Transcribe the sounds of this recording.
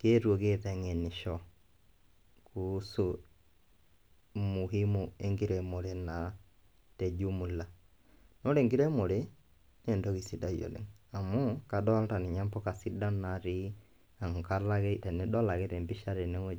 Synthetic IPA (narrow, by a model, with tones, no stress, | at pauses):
keː˦ɾwo˨ke˦˨tɛ˨ŋe˨ni˨ʃɔ˦ | ku˨˦su˨ | mu˨ɦi˦mu˨e˦ŋɡi˦ɾe˨mo˨ɾe˦na˨ | te˨d͡ʒu˦mu˨la˨ | no˦ɾe˨ŋɡi˦ɾe˦mo˨ɾe˦ | ne˦˨ndɔ˦ki˨si˨da˦jo̰˨lḛ˨ŋa˨mu˦ka˨dɔ˦lta˨ni˨ɲa˦mpɔ˦ka˨si˦da˦na˨ɾi˦ | a˨ŋ˨ka˦la˦ke˦tɛ˨nɛ˦dɔ˦la˨ke˦ɾe˨mbi˦ʃa˦ɾe˨ne˦ŋo˦